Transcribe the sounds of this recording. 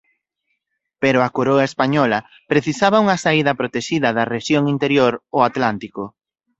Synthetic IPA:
peɾʊakoɾoaespaɲɔlɐ | pɾeθisaβɐuŋɐsaiðɐpɾot̪eʃiðɐðɐreʃjoŋint̪eɾjoɾoat̪lant̪ikʊ

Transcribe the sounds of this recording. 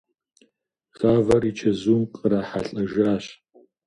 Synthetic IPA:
ɣ̥aːvɐrit͡ʃʰɐzuːmqʼəɾaːħaɬʼɐʒaːɕ

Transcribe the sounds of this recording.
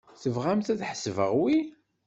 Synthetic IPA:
θəvʁæmθæðħə̥səvə̰ʁwi

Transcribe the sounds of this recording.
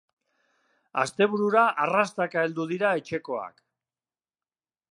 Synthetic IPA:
a̰st̪e̞β̞uɾuɾaʔarast̪akaeld̪uð̞iɾae̞t͡ʃe̞ko̞a̰k

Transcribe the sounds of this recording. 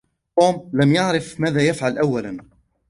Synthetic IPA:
t̪uːmlamjaʕɾɪfmaːðaːjafʕalʔawːalan

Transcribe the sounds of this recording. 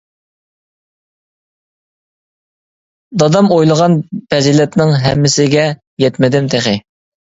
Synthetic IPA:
d̪ɑd̪ɑmojlˠəʁɑnbɛzilɛt̪nɪŋɦɛ̰mːɪsɪɡʲɛ | jɛt̪mɪd̪ɪmt̪ʰeχɪ

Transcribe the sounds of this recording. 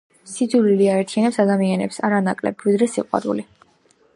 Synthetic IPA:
sid̪zuɾiliaɛɾt̪ʰianɛpsad̪amianɛpsaɾanakʼlɛ̰bvid̪ɾɛsiqʼwa̰ɾṵli

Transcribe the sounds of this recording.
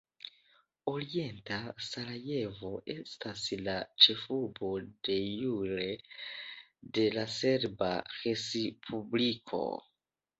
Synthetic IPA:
o̞ɾie̞ntasaɾaje̞vo̞ʔe̞̰staslat͡ʃe̞fubo̞de̞juɾe̞ | de̞lase̞ɾbaxesipʰublikʰo̞̰

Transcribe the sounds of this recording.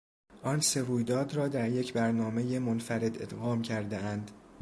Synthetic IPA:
ʔɒːnse̞ɾuːjd̪ɒːd̪rɒːd̪æɾje̞cʰbæɾnɒːme̞jemonfæɾe̞d̪e̞̰d̪ɣɒːmcʰæɾd̪eænd̪

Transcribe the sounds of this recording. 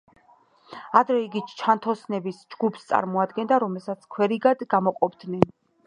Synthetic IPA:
ad̪ɾɛiɡit͡ʃʰant̪ʰɔsnɛbisd͡ʒɡupʰst̪sʼa̰ɾmɔad̪ɡɛnd̪aɾɔmɛlˠsat̪sʰkʰwɛɾiɡad̪ɡamɔqʼɔbd̪nɛn

